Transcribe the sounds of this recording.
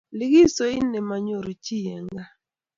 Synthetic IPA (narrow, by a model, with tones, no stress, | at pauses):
lɪ˦ɡi˦so˨ɪ˦nɛ˨ma˨ɲo˨ɾo˨t͡ʃi˦jɛ˨ŋɡa˦